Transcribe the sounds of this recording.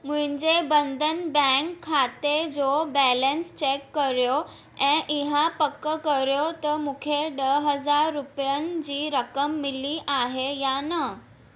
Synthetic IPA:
m̤uiɲd͡ʑebənd̪ʱənbɛ̃ŋkʰːat̪ed͡zobɛlənst͡ɕekːəɾjo | ɛ̃ʔiɦapəkːəkəɾjot̪əmukʰeɖəɦəd͡zaɾːupjand͡ʑiːɾəkəmːiliʔaɦejanə

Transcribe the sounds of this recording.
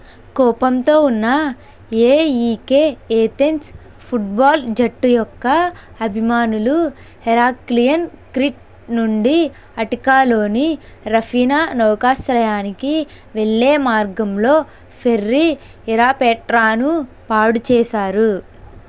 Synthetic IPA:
kɔːpɐmt̪o̞ːunːɐ | eːiːkeːeːt̪ens | pʰuʈ̚baːld͡ʒɐʈːujɔkːɐ | ɐbʱimaːnulu | hɛɾaːklijɐnkɾiʈ̚ | nuɳɖi | ɐʈikaːlo̞ːni | ɾɐfʰiːnanɔːkaːsɾɐjaːniki | ʋeɭːeːmaːɾɡɐmlo̞ː | pʰerːi | iɾaːpɛːʈɾaːnu | paːɽut͡ʃɛːʃaːɾu

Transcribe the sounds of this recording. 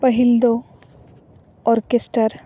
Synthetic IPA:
pəɦild̪o | ɔɾkesʈəɾ

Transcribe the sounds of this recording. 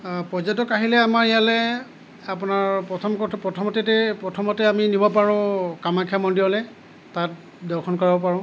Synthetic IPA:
pɔzɔtɔkaɦilɛamaɹijalɛ | apʊnaɹpɔtʰɔmkɔpɹɔtʰɔmɔtɛtɛpɹɔtʰɔmɔtɛaminibɔpaɹʊ̃kamakʰiamɔndiɔlɛ | tat̚ | dɔɹkʰɔnkɔɹibɔpaɹʊ̃

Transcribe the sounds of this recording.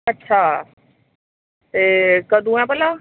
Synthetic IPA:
ɐtːʃʰaː | ekɐd̪ʱũɛ̃pɐla

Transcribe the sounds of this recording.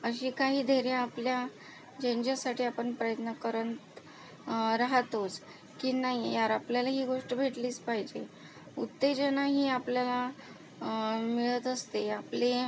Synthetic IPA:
əɕiːkaɦiːd̪ʱeɾjaːplja | d͡ʑeɲd͡ʑasaʈʰiːapəɳpɾəjət̪nəkəɾəɳt̪ | ɾaɦt̪ot͡s | kiːnaɦijaɾapljalaɦiːɡoʂʈəbʱeʈliːt͡spaɦid͡ʑe | ut̪ːed͡ʑənaɦiːapljala | miɭət̪əst̪eaple

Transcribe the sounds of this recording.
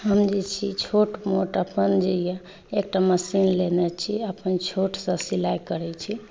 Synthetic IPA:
ɦəmd͡ʒet͡ʃʰit͡ʃʰoʈmoʈəpənd͡ʒeja | ek̚ʈaməsinlenɛt͡ʃʰiəpənt͡ʃʰoʈsə̃silajkəɾɛt͡ʃʰi

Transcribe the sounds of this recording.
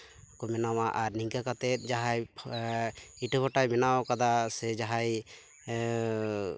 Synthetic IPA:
kɔmɛnawaʔaɾniŋkakat̪ɛt̪̚d͡ʒaɦaj | iʈʰəpʰɔʈajmɛnawkad̪asɛd͡ʒaɦaj

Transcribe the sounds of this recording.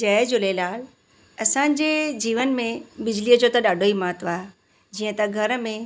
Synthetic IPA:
d͡ʑɐːd͡ʑolelaːl | ɐsãːɲ̆d͡ʑeːd͡ʑiːʋənmẽbɪd͡ʑliːəd͡ʑoːt̪ɐɗaːɖʱoːimɐɦət̪ʋaːe | d͡ʑiːə̃t̪ɐɡʱɐɾə̆mẽ

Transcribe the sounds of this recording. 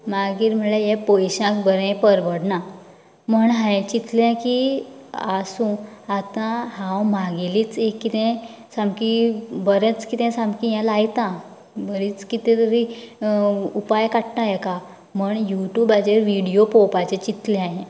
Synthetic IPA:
maɡiːɾm̤əɭejɛ̃pojɕãkbəɾɛ̃pəɾʋəɽna | m̤əɳɦãẽt͡ɕit̪ljãki | asũ | at̪ãɦãwmaɡeliːt͡sekːit̪ɛ̃ | sãmkibəɾɛ̃t͡skit̪ɛ̃sãmkijãlajt̪ã | bəɾit͡skit̪ẽt̪əɾi | upajkaʈnajeka | m̤əɳjuʈjuːbad͡ʑeɾʋiɽijopopat͡ɕẽt͡ɕit̪leaɦẽ

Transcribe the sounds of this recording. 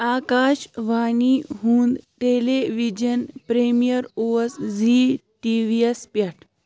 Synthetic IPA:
aːkaːʃʋaːniɦũːnd̪ʈeleʋid͡ʒɐnpɾemijɐɾoesziʈiʋiespjaʈʰ

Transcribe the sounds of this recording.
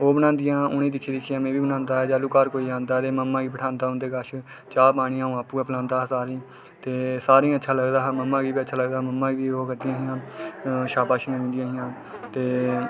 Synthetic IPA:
oːbənãːnd̪ɪjãːʊniːd̪ɪkʰːiːd̪ɪkʰijãːmẽːʋiːbənãːnd̪aːɛːd͡ʒaːluːkaːɾkoːiːãːnd̪aːt̪eːməmːãːɡiːpəʈʰãːnd̪aːɦʊnd̪eːɡəʃ | t͡ʃaːpaːɽ̃ĩːãːɦũːaːpuːɛːpəlãːnd̪aːɦsaːɾĩː | t̪eːsaːɾĩətːʃʰaːləɡd̪aːɦməmːãːɡiːbiːətːʃʰaːləɡd̪aːməmːãːʋiːoːkəɾd̪ijãːɦɪjãːʃaːpaːʃijãːʋɪ̃ːnd̪ɪjãːɦɪjãː | t̪eː

